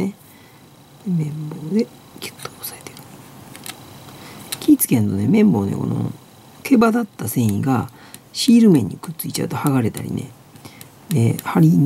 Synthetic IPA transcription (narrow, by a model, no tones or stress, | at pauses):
e | emẽ̞mbo̞ːd̪e̞ | kʲʰe̥t̪ːo̥ːosaet̪ekɯ̥ | kʲiːt͡sɨ̥kẽ̞nt̪o̞ne̞mẽ̞mbo̞ːnḛko̞̰no̞̰ | kʰe̞bad̪at̪ːasẽ̞ɰ̃iɡa | ɕiːɾɯ̟mẽ̞ɲ̟ːikɯ̟̥t͡sɨit͡ɕa̰ɯ̟t̪o̞haɡaɾe̞t̪a̰ɾʲḭne̞̰ | ehaɾʲi